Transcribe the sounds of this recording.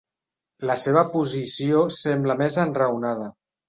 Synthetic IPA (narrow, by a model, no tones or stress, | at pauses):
ləseβəpuzisiosɛmbləmezənrəwnað̞ə